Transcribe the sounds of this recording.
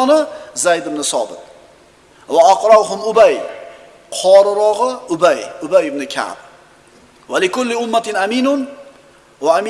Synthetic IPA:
nɪzajd̪ɪbnɪsɒ̰bɪt̪̚ | waaqɾɑwɦʊmʊbaj | qʰɒɾɪɾɒʁɨʊbajʊbajɪbnɪkʲʰa̰b̚ | walɪkʊlːɪʊmːat̪ɪnamiːnʊn | waamː

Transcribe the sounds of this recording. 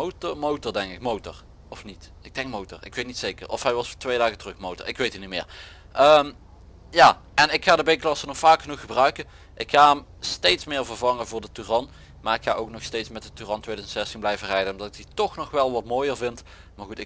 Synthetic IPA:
otmowtɔɹdɛŋkɪkmowtɔ̰ɹ | ɔfnit | ɪɡ̚dɛŋk̚mowtɔ̰rɪ̰kʋejt̚nitsejkərɔ̰fɦɛjʋɑsfɔːtʋejdaːɣətrɵxmowtɔ̰ɹɪkʋejtinimɪ̰ːɹ | ʔəːm | jaː | ʔɛnɪkxaːdəbejklɑsənɔxfaːkxənuxːəbrœɥkə | ʔɪkxaːɦɛm | stejtsmɪːɹvərvɑŋəvʊːɹdətyrɑn | maːɹɪkxaːʔowknɔxstejtsmɛt̚dətyrɑntwʋejdœzəntsɛstinblɛjvərɛjdənɔmdɑtɪɡ̚ditɔxnɔxʋɛlˠʋɑtmoːjəɹvɪnt | maːɹɣutɪ

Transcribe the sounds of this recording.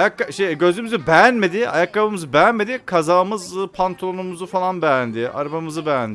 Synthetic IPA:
ajakːaʃejɟø̞zymyzybɛjænme̞d̪ɪa̰jakːabɯmɯzɯbɛjænme̞d̪ikʰazaːmɯzɯpʰant̪ʰonumuzufalˠanbɛjænd̪ɪa̰ɾbamɯzɯbɛjænd̪

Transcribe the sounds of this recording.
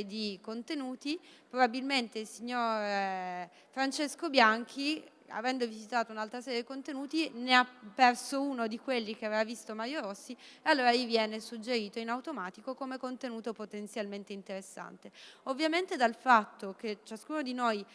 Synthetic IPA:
d̪ikont̪enuːt̪ipɾobabilment̪eilsiɲːoɾ | fɾant͡ʃeskobjaŋk̟ʰi | a̰vɛnd̪ovizit̪aːt̪ounalt̪ɾasɛːɾjed̪ikont̪enuːt̪ineapːɛrsounod̪ikwelːik̟eavevavist̪omaɾjoɾosːiealːoːɾalivjɛːnesud͡ʒːeɾiːt̪oinawt̪omaːt̪ikokomekont̪enuːt̪opot̪ent̪sjalment̪eint̪eɾesːa̰nt̪eovːjament̪ed̪alfat̪ːok̟et͡ʃaskuːnod̪inoj

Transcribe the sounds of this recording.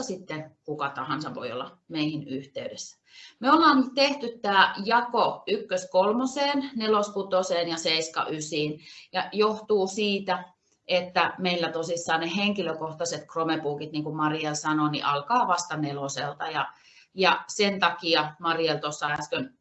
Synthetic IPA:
sit̪ːekukɑt̪ɑhɑnsɑʋo̰io̰lːɑ̰ | meihinyht̪eydesːæ̥ | meolːɑːnyt̪eht̪yt̪t̪ːæːjɑkoykːøskolmoseːnneloskut̪oseːnjɑseiskɑ̰ʔysiːnjɑjoht̪uːsiːt̪æ | et̪ːæmeilːæt̪osisːɑːnneheŋkiløkoht̪ɑset̪kromepuːkit̪niːŋkumɑrielsɑnonḭʔɑlkɑːʋɑst̪ɑneloselt̪ɑjɑ | jɑsent̪ɑkiɑmɑrielt̪osːɑææskøn

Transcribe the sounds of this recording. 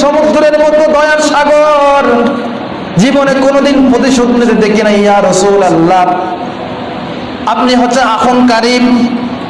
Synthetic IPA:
ʃɔmud̪ɾeɾmot̪od̪ɔjaɾʃaɡoɾ | d͡ʑibonekonod̪inpɾot̪̬iʃod̪niɾed̪ekʰinajjaːɾɔsuːlalːa | apniɦɔt͡ʃːaakʰonkaɾib

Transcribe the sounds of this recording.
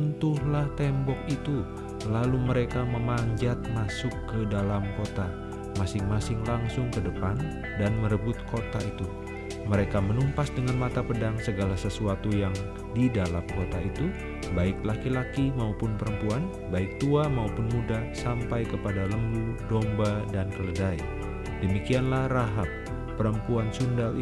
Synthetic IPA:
unt̪ʊhlaht̪ɛmbɔk̚it̪u | laluməɾekaməmaɲd͡ʒat̪̚masʊkːədalamkot̪a | masɪŋmasɪŋlaŋsʊŋkədəpan | danməɾəbʊt̪̚kot̪ait̪u | məɾekamənumpasdəŋanmat̪apədaŋsəɡalasəsuat̪ujaŋ | didalamkot̪ait̪u | baɪklakilakimaupʊnpəɾəmpuan | baɪk̚t̪uamaupʊnmudasampajkəpadaləmbudɔmbadankələdai | dəmikianlahraɦapː | əɾəmpuansundal

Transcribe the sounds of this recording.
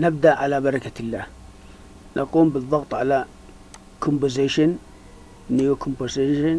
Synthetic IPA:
nab̚d̪aʔʕalaːbaɾˤɑkatilːaːh | nʔaqʼuːmbɪd̪ˤɑɣt̪ˤʕalaː | kʰombəzeʃan | nijakʰombaɾseʃan

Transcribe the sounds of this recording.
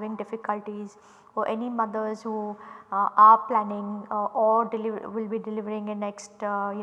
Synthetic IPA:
ʋɪ̃ŋɡɖɪfɪkəlʈiz | ɔɾʔɛnimʌd̪əɾzhuː | aːɾplænɪ̃ŋɡɔːɾɖɪlɪʋʋɪlbiːɖɪlɪʋəɾɪ̃ŋenɛksʈj

